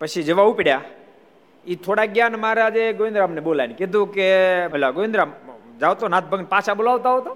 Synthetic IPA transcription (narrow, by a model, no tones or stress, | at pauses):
pət͡ʃʰid͡ʒəʋaupiɽja | it̪ʰoɽaɡjanmaɾead͡ʒeɡoʋɪnd̪ɾamneɓolajneked̪ʱũkeəlaɡoʋɪnd̪ɾamd͡ʒaʋt̪onat̪̚ʰbʱəɡnpaʃaɓolaʋt̪aɦɔt̪o